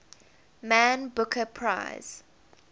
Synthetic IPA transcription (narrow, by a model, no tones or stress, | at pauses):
mãnbʊkʰəpʰɹa̰ɪz̥